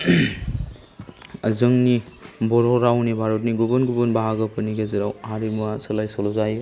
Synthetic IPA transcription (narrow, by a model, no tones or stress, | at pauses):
ɐzɯŋnibɔɾɔɾawnibʱaɾut̬̚niɡubɯnɡubɯnbaɦaɡɐpɯniɡeziɾawaɾimuasɯlajsolɔzaj